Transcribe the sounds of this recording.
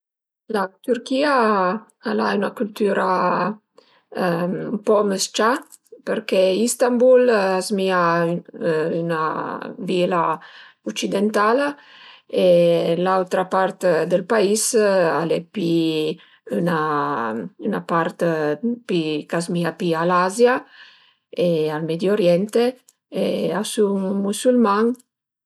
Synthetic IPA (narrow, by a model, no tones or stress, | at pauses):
lat̪yɾkia | alaynakylt̪yɾa | mpɔməst͡ʃa | pəɾkɛist̪ambulazmia | yna̰vilaɔt͡ʃid̪ɛnt̪ala | elawt̪ɾapaɾt̪d̪əlpaisalɛpi | yna | ynapaɾt̪pikazmiapialazja | ealmɛd̪joɾjɛnt̪e | easuŋmusylmaŋ